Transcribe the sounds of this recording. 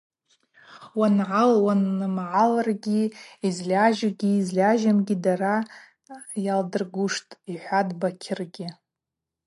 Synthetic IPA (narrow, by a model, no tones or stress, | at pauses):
wanʕalwanmʕalarɡʲiizlʲaʒaɡʲiːzlʲaʒamɡʲidara | jaldɨrɡuʂtʼiħʷadbakʲʰɪrɡʲɪ